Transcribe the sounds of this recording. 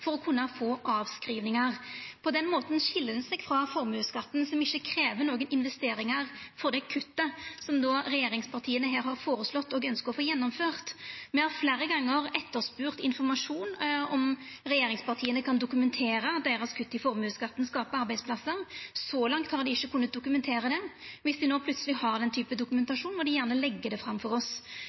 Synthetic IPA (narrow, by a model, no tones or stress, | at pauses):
fɔɾɔkʰʉnːəfoːʔɑːʋskɾiːʋnɪŋɑʁpʰɔd̪ɛnmoːt̪nɕɪlːənsɛɡfʁɑfɔɾmʉːskɑt̪ːn̩sɔmɪçːəkʰɾeːʋənoːɡənɪnʋɛst̪eːɾɪŋəʁfɔɾd̪ɛkʰʉt̪ːəsɔmd̪ɔɾɛjeːɾɪŋspʰɑʁt̪ʰiːənəɦeːɾhɑɾfoːɾəslɔt̪ːɔɡœnskəɾʁɔfoːjɛnːɔmføːʁt̪mɛhɑɾfleːɾəɡɑŋːəɾɛt̪ːəɾspʉːɾt̪ɪnfɔɾmɑʂuːnɔm | ɾɛjeːɾɪŋspʰɑʁt̪ʰiːənəkʰɑnd̪ʊkʉmɛnt̪ʰeːɾəɑt̪̚d̪eːɾɑskʰʉt̪ːəɪfɔɾmʉːskɑt̪ːn̩skɑːpəɑɾbæɪd̪spʰlɑsːəɾsɔlɑŋt̪hɑɾd̪ɪɪçːəkʰʉnːət̪̚d̪ʊkʉmɛnt̪ʰeːɾəd̪ɛʋɪsd̪ɪnoːplʉt̪səlɪhɑɾd̪ɛnt̪ʰyːpəd̪ʊkʉmɛnt̪ɑʂuːnʋɔd̪ɪjæːʁnəlɛɡːəd̪ɛfɾɑmfɔɾɔs